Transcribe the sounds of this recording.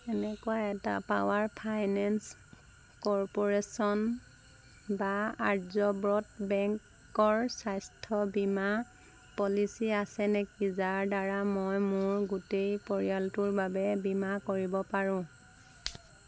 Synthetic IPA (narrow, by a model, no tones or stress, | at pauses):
ɛnɛkuajɛta̰pawaɹpʰajnɛns | kɔɹpɔɹesɔn | baaɹzɔbɹɔtbɛŋk | ɔɹsajstʰɔbima | pɔlisiasɛnɛkizaɹdaɹamojmʊɹɡutejpɔɹijaltʊɹbabɛbimakoɹibɔpaɹʊ̃